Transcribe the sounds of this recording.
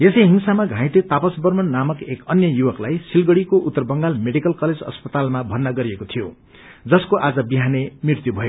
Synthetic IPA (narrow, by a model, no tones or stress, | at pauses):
esʌjɦinsamaɡʱãj̃t̪et̪apʌsbʌrmʌnːamʌkekʌnjʌjuwʌklajsilɡʌɽikoʔut̪ːʌrbʌŋɡalmeɽikʌlkʌled͡zʌ̰spʌt̪almabʱʌnːʌɡʌɾijekot̪ʰijo | d͡zʌskoʔad͡zʌbiɦanemrirt̪jubʱʌjo